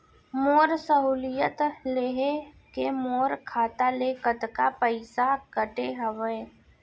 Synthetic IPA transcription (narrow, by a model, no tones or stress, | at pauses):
moːɾsəɦuːlijət̪leːɦe | kemoːɾkʰaːt̪alekət̪kapəɪsakəʈeɦəʋe